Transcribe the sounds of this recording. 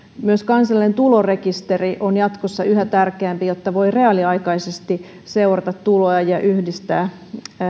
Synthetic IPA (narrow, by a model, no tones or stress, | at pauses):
myøskɑnsɑlient̪ulore̞kist̪eriʔonjɑt̪kosːɑyɦæt̪ærkeæmpijot̪ːɑʋo̞jre̞ɑliɑjkɑisest̪i | se̞urɑt̪ɑt̪tːuloɑjɑʔyhdist̪æː